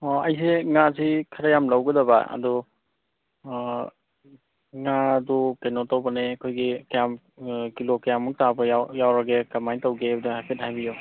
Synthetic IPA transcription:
ɐjs̬eŋasikʰaɾajamlawɡɐdaba̰ɐ̰dɔ | ŋadɔkanɔtawbanekʰojɡikajam | kilokajamːuŋ̚tabɐjajawɾaɡekamajntawɡebdihajpʰet̚hajbijɔ

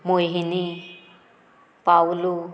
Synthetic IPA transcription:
mojɦini | pawulu

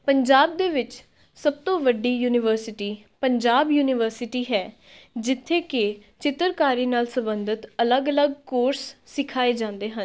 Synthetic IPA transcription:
pəɲd͡ʒaːb̚d̪eːʋɪt͡ʃ | səb̚t̪õːʋəɖiːjuːnɪʋəɾsɪʈiː | pəɲd͡ʒaːbjuːnɪʋəɾsɪʈiːɦɛː | d͡ʒɪt̪ʰːeːket͡ʃɪt̪ːəɾkaːɾiːnaːlsəbənd̪ət̪ələɡələɡ̚koːɾsːɪkʰaːeːd͡ʒãːnd̪eːɦən

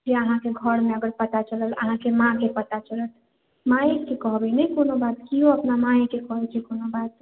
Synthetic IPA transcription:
d͡ʒeəɦãkeɡʱəɾmeəɡəɾpət̪at͡ʃələlə̰ɦãkemãkepət̪at͡ʃələl | mãjkekɔɦbɛnɛjkonobat̪kioəpnamãjkekɔɦɛt͡ʃʰɛkonobat̪̚

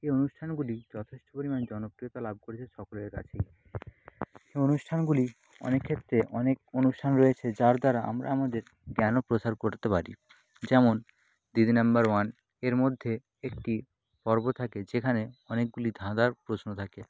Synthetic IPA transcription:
eonuʃʈʰanɡulid͡ʑɔt̪ʰeʃʈʰo̥poɾimand͡ʑɔnopɾiot̪alab̚ʱkoɾet͡ɕʰeʃɔkoleɾka̰t͡ɕʰej | eonuʃʈʰanɡuli | ɔ̰nekʰːet̪ːɾeʔɔnek̚onuʃʈʰanɾɔet͡ɕʰed͡ʑaɾd̪aɾaʔa̰mɾa̰amad̪eɾ | ɡɛnopɾosaɾkoɾt̪epaɾḭ | d͡ʑɛmon | d̪id̪ʱinambaɾwan | eɾmod̪ʱːe | ek̚ʈi | pɔɾbot̪ʰaked͡ʑekʰaneɔnek̚ɡulid̪ʱãd̪aɾpɾoʃnot̪ʰake

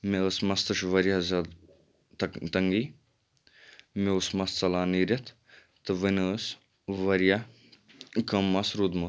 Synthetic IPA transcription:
meəːsmɐst̪ɐʃʋɐɾjɐɦɐzɐd̪ | t̪t̪ɐŋɡiː | meusmɐst͡sɐlaːniːɾɐt̪ʰ | t̪ɨʋənəːs | ʋɐɾija | kɐmːɐsɾud̪mɐ

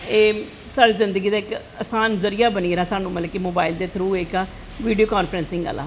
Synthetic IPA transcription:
eː | saːɽiːzɪnd̪əɡiːd̪aːɪk | əsaːnzəɾijaːbəniːɾaːsaːnũːmət̪ləkimoːbaːɪld̪eːt̪ʰɾuːeka | ʋiːɖioːkaːnfʰɾənsɪ̃ŋɡə̰lːa̰ː

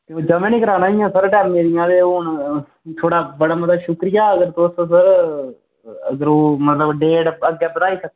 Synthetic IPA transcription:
k̪ed͡ʒəmẽːnĩːkəɾaːnaːɦijãːsəɾʈɛːmːeːɾijãːt̪eːʊn | t̪ʰoːɽaːbəɽaːmət̪aʃʊkɾɪjaːəɡəɾt̪ososəɾ | əɡəɾoːmət̪ləbɖeːɽəɡjaːbənaːiːsək̪̚ː

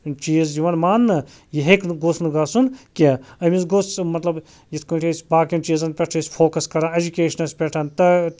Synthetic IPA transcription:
t͡ʃiːzjiʋɐnmaːnːɐ | jiɦeknɡosnɨɡaːsunkʲeɐmisɡoːsmɐt̪lɐb | jit̪ʰkoːʈʰesʲbaːkʲjunt͡ʃiːzɐnpʲeʈʰɐisʲpʰoːkɐskɐɾãːed͡ʒukʲeːʃɐnɐsʲpʲeʈʰɐnt̪ɐ

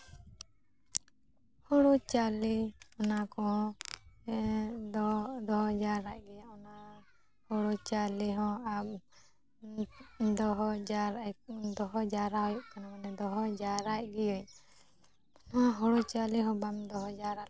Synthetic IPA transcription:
hɔɽut͡ʃaliɔnakɔɦɔ̃ | d̪ɔɦɔd͡ʒaɾaʔɡɛjaɔna | hɔɽut͡ʃaliɦɔ̃ap̚ | d̪ɔɦɔd͡ʒaɾad̪ɔɦɔd͡ʒaɾaɦɔjɔʔkanamanɛd̪ɔɦɔd͡ʒaɾaʔɡɛjɔɲ | aɦɔɽut͡ʃaliɦɔ̃bamd̪ɔɦɔd͡ʒaɾa

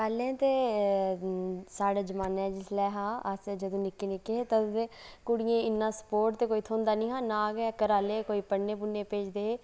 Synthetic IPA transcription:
kɛlẽːt̪eː | saːɽeːd͡ʒəmaːnɛːd͡ʒɪslɛːɦãːəsd͡ʒəd̪õːnɪkːeːnɪkːeːt̪ə̃ekʊɽɪjẽːɪnːãːsə̥poːɾʈt̪eːkoːiːt̪ʰõːnd̪aːnĩːɦãːnaːɡɛːkəɾaːleːkoːiːpəɽnẽːpʊnːeːpeːd͡ʒd̪eː

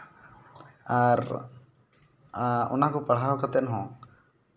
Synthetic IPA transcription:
aɾ | ɔ̰nakɔpaɽ̤awkat̪ɛnɦɔ̃

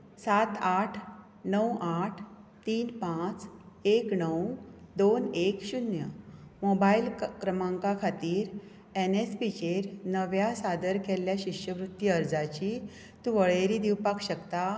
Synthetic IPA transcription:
sat̪aʈʰ | nəwaʈʰt̪iːnpãt͡s | eknəwd̪onekɕunjəmobailkɾəmãŋkakʰat̪iːɾ | enespit͡ɕeɾnəʋjasad̪əɾkeljaɕiɕjəʋɾut̪ːiəɾd͡zat͡ɕi | t̪ũʋəɭeɾiːd̪iwpakɕəkt̪a

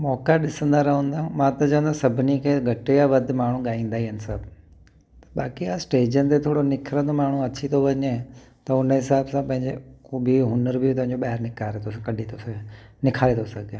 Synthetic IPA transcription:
mɔːkaɗɪsə̃nd̪aɾɐɦə̃ːnd̪ãmãt̪ɐt͡ɕɐ̃ɦə̃nd̪asɐbʱɪnikʰeːɡʱɐʈejaʋɐd̪ʱmaːɳ̤ũɠaːĩːnd̪aːɦiɦənsɐb | t̪ɐ̥ɓaːkiasʈeːd͡ʑən̆t̪et̪ʰoːɽonɪkʰɾə̃d̪omaːɳ̤ũɐt͡ɕʰit̪ʰoʋɐɲẽ | t̪ɐʊnəɦɪsaːbsãpɐ̃ɦɪ̃ɲd͡ʑekoːbʱiɦʊnəɾbʱɪt̪ɐ̃ɦɪ̃ɲd͡ʑoɓaːɦɾnɪkaːɾet̪ʰosãkɐɗʱit̪ʰonɪkʰaːɾet̪ʰosɐɡʱẽː

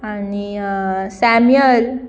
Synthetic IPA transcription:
anisæmjəl

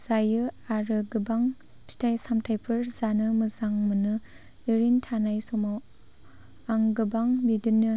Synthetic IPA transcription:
z̥ajɯaɾɯɡɯbaŋ | pʰi̥tʰajsamtʰajpʰɯɾzanɯmɯzaŋmɯnɯ | iɾintʰanajsɔmaw | aŋɡɯbaŋbidɯnːɯ

